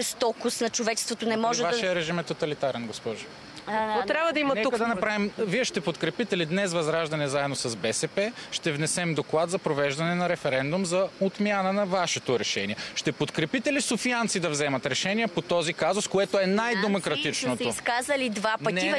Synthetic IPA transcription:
st̪ɔkʊsnɐt͡ʃovɛt͡ʃɛ̥st̪vot̪onɛmɔʒɛvaʃiɛɾɛʒimɛt̪ot̪ɐlit̪aɾɛnɡospɔʒʊ | t̪ɾʲabvəd̪ɐimɐnɛukɐd̪ɐnɐpɾavimviɛʃt̪ɛpot̪kɾɛpit̪ɛlid̪nɛsvɐzɾaʒd̪ɐnɛzaɛd̪nosɐzbɛsɛpɛʃt̪ɛvnɛsɛmd̪oklˠat̪zɐpɾovɛʒd̪ɐnɛnɐɾɛfɛɾɛnd̪ʊmzɐot̪mʲjanənɐvaʃɛt̪oɾɛʃɛ̰niɛʃt̪ɛpot̪kɾɛpit̪ɛlisofiant̪sid̪ɐvzɛmɐt̪ɾɛʃɛniɛpot̪ɔzikazoskoɛt̪oɛnajd̪ɛmokɾɐt̪it͡ʃnnot̪oskazɐlid̪vapɐnɛi

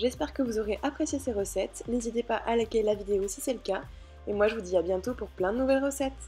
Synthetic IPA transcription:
ʒɛspɛʁkəvuzɔʁeʔapχesjeseʁəsɛt̪nezit̪epaʔalakʲelavid̪eosisɛləka | emwaʒəvud̪iabjɛ̃t̪opuʁplɛ̃d̪ənuvɛlʁəsɛt̪

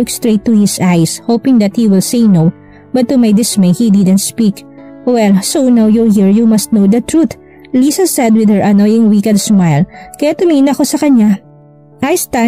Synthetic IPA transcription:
ʊkst̪ɹejt̪ːuhɪsʔajshowpɪ̃ŋd̪ɐt̪̚hiwɪlsejnow | bɐt̪ːumajd̪ɪsmejhid̪ɪd̪ɛnt̪̚spikwɛlsownawjulɦiɹjumɐst̪̚nowd̪ɐt̪ɹut̪ | lisɐsɛd̪̚wɪd̪̚həɹʔɐnojɪ̃ŋwikɐd̪smajlkɐjat̪ʊmiːnɐɐko̞sɐkɐɲa | ʔajst̪a

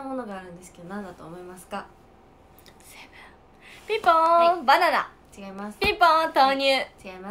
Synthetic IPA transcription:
amo̞no̞ɡaːɾɯ̟̃nd̪e̞sɨ̥ke̞d̪o̞nãnd̪at̪o̞ːmo̞imasɨ̥ka | se | pʲipõbanaɾa̰ | t͡ɕiɡaimaspʲipõt̪oːɲ̟ɨːt͡ɕiɡaima

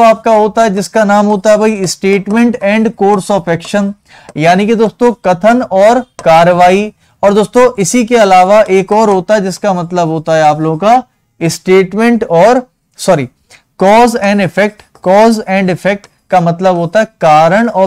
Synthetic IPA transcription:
aːp̚kaɦoːt̪aɦɛd͡ʒɪskanaːmɦoːt̪aɦɛbʱɐiɪsʈeːʈmẽɳʈɛ̃ːɳɖkoːɾsɔːfɛːkʃən | jaːniked̪oːst̪õkɐt̪ʰənɔːɾkaːɾəʋaːi | ɔːɾd̪oːst̪õʔɪsikeɐlaːʋaʔeːkɔːɾɦoːt̪aɦɛd͡ʒɪskamɐt̪ləbɦoːt̪aɦɛaːploːɡka | ɪsʈeːʈmẽɳʈɔːɾ | sɔːɾi | kɔːzɛ̃ːɳɖɪfʰɛk̚ʈ | kɔːzɛ̃ːɳɖɪfʰɛk̚ʈ | kamɐt̪ləbɦoːt̪aɦɛkaːɾəɽ̃ɔː

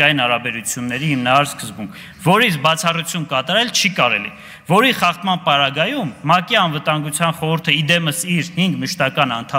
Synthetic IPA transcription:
ɑjinhɑɾɑbɛɾut͡sʰjunːɛɾihimnɑɾɑɾskəzbuŋkʰ | vɔɾisbɑt͡sʰɑrut͡sʰjunkɑt̪ɑɾɛlt͡ʃʰikɑɾɛlḭ | vɔɾiχɑχt̪mɑnpɑɾɑɡɑjumːɑkiɑnvət̪ɑŋɡut͡sʰjɑnχɔɾuɾt̪ʰəid̪ɛməsiɾhiŋɡməʃt̪ɑkɑnɑnt̪ʰɑ

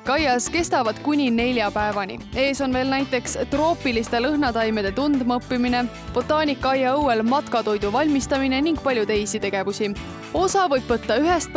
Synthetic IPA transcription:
kɑjɑske̞st̪ɑvɑd̪̥kunʲine̞lʲjɑpæevɑnʲḭe̞ːso̞nve̞ːlnæjt̪ːˑe̞kst̪ro̞ːpːˑilist̪e̞lɤɦnɑt̪ɑjme̞d̪̥e̞t̪und̪mɤpːimine̞ | b̥o̞t̪ːˑɑːnʲikːˑɑjɑɤwe̞lmɑt̪kɑt̪o̞jd̪̥uvɑlʲmist̪ɑmine̞niŋɡ̥̚pɑlʲjut̪e̞jsit̪e̞ɡ̥e̞vusʲi | o̞sɑvɤjb̥vɤt̪ːɑyɦest̪̚p

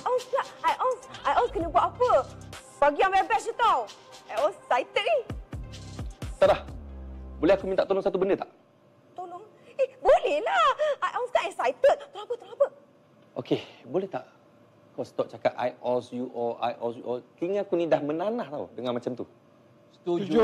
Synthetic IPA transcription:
aʔɔnskaʔajʔɔnsajɔlskɛnəbuaʔapə | baɡiãmɛbɛsjut̪aw | ajɔsajt̪ət̚ɛh | t̪adah | bolɛhakumint̪aʔt̪olʊŋsat̪ubəndət̪aʔ | t̪oloŋ | ɛhbolɛhlaajʔɔlst̪aʔɛksajt̪ət̪̚t̪əlabət̪əɾabəʔ̚ | ʔokebolɛht̪a̰ʔ | kawsə̥t̪ɔp̚t͡ʃakat̪a̰jɔsjuʔɔlʔa̰jʔɔsjuʔɔkiŋãkunĩdahmənanaht̪aṵdəŋanmat͡ʃamt̪u

